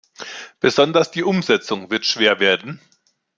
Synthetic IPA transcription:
b̥əzɔndɐsd̥iːʔʊmzɛt͡sʊŋvɪɐtʃv̥eːɐveːɐdn̩

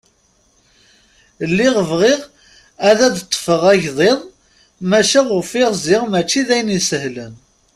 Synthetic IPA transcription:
lːiʁəvʁɪʁ | æðæd̪t̪ˤːə̥fəʁæʝðˤeðˤ | mæʃæʁʊfɪʁzɪʁmæt͡ʃːiðæjnisəhlən

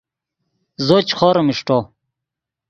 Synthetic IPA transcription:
zot͡ɕχoɾmiʂʈo

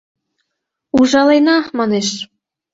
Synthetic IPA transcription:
uʒɑlenɑmɑneʃ

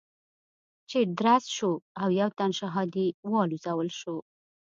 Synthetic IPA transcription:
t͡ʃed̪ɾasʃoawjawt̪anʃaɦɑd̪iwɑluzawəlʃo

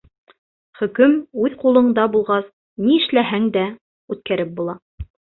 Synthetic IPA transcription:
χɵ̆kɵmʉðqulˠɤ̆ɴd̪ɑbulˠʁɑs | niɘ̆ʃlæɦæŋd̪æ | ʉt̪̚kæɾɘp̚bulˠɑ

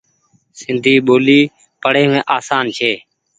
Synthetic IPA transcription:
sɪnd̪ʱiːɓoːliː | pəɽ̤eːmẽːʔaːsaːnt͡ʃʰeː

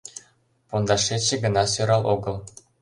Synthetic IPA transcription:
pund̪ɑʂetʲt͡ɕːɘ̆ɡɤ̆nɑsø̆ɾɑlˠʔuɡɤ̆lˠ

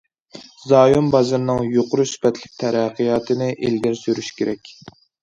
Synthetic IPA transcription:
zɑːjumbɑzɨɾnɨŋjoqʊɾusy̥pɛt̪ʰlɪk̚ʲt̪ʰɛɾæqʰɨjɑːt̪ʰɨnɪʔelɡʲæɾsyɾyʃkʲʰeɾɛkʲ

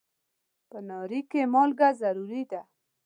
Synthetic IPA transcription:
pənɑɾikemɑlɡazaɾuɾid̪a

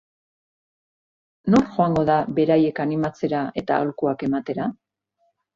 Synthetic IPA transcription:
no̞ɾʝo̞aŋɡo̞ðabe̞ɾaje̞kanimat͡se̞ɾae̞t̪a̰a̰lkuake̞mat̪e̞ɾa

